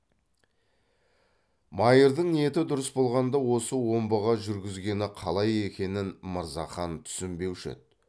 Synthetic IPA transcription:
mɑjəɾd̪əɴnije̞t̪ɪd̪ʊɾəsbo̞lˠʁɑnd̪ɑwo̞səwo̞mbəʁɑʒʏɾɡʲɪzɡʲe̞nɪqʰɑlˠɑje̞kʲe̞nɪnməɾzɑχɑnt̪ʰʏ̥sɪmbe̞wʃḛt̪

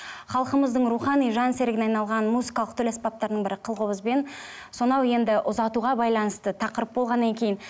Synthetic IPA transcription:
χɑlˠqəməzd̪əɴɾuχɑnijʒɑnseɾɪɡʲɪnɑjnɑlˠʁɑnmuzikɑlˠəq̚t̪ʰɵlespɑp̚t̪ɑɾd̪əɴbɪɾɪqʰəlˠʁobəzbe̞n | so̞nɑwe̞nd̪ɪʔʊzɑt̪uʁɑbɑjlˠɑnəst̪ət̪ʰɑqəɾəp̚bo̞lˠʁɑnːɑŋkʲʰe̞jɪn

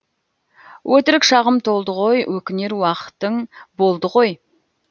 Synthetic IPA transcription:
wʔɵt̪ɪɾɪkʃɑʁəmt̪ʰo̞lˠd̪əʁo̞jwʔɵkʲɪne̞ɾwɑqə̥t̪ːəɴbo̞lˠd̪əʁo̞j

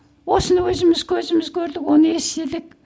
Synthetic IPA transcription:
osnwɵzɪmɪzkʰɵzɪ̆mɪzkʰɵɾðɪkoniesiɮɪ̆k̚

